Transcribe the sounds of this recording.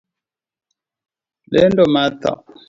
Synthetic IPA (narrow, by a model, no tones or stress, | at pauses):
lɛ̰ndɔmata̰